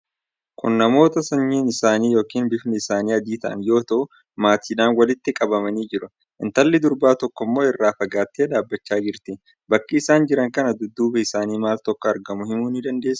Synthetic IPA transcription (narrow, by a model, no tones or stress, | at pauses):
kʊ̰nnɐmo̞ːt̪ɐsɐɲːiːnɪsaːniːjo̞ːkiːnbɪfnɪɪsaːniːɐd̪iːt̪ɐʔɐ̰njo̞ːt̪ɐʔʊ | maːt̪ʰiːᶑaːnwɐlɪt̪ːɪkʼɐbɐmɐniːd͡ʒɪɾʊ | ʔɪ̰nt̪ɐlːɪd̪ʊɾbaːt̪ɔkːɔmːo̞ːɪrːaːfɐɡaːt̪ːeːd̪aːbːɐt͡ʃːaːd͡ʒɪɾt̪ɪ | bɐkʼːiːsaːnd͡ʒɪɾɐŋkɐnɐd̪ʊd̪ːuːbɛɪsaːniːmaːlt̪ɔkːɐɐɾɡɐmʊhɪmuːnɪd̪ɐnd̪e̞ːsː